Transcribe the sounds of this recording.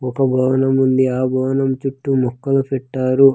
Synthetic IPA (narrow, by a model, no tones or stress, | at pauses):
ɔkɐbʱɐʋɐnɐmund̪iaːbʱɐʋɐnɐmt͡ʃuʈːumɔkːɐlupɛʈːaːɾu